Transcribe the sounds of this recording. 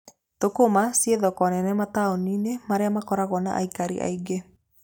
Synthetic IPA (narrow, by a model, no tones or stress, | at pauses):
t̪okomasieðɔkɔnɛnɛmataoninemaɾeamakɔɾaɣɔna̰ʔa̰ikaɾḭʔa̰iɡe